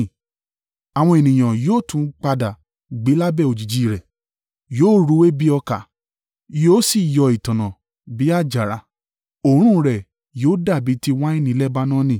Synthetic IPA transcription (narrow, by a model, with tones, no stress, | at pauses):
a˨w̃ɔ̃˧e˨nĩ˨j̃ã˨joː˦˨tũ˧˦k͡pa˧da˨ | ɡ͡be˨˦la˦bɛ˦˨o˨d͡ʒi˨d͡ʒi˨˦˨ɾɛ˨ | joː˦˨ɾu˨˦we˦bi˦ɔ˧ka˨ | joː˦si˦˨jɔ˧i˨tã˨nã˨ | bi˨˦a˦˨d͡ʒa˨ɾa˨˧˦ | o˧˨ɾ̃ũ˦˧ɾɛ˨ | joː˨˦da˦˨bi˨˦ti˦wa˦i˦nĩ˧˦lɛ˦ba˦nãː˦nĩ˦˨